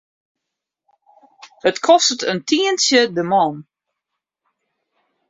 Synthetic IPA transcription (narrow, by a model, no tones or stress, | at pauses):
hətkʰɔstətʰəntʰiːənsjədəmɔn